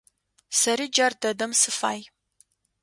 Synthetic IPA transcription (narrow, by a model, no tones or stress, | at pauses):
sɐɾiːd͡ʒɐrdɐdɐmsɨfa̰ːj